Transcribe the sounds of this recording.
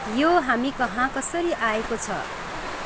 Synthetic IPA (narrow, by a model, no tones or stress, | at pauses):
joɦamikʌɦãkʌsʌɾiʔaekot͡sʰʌ̰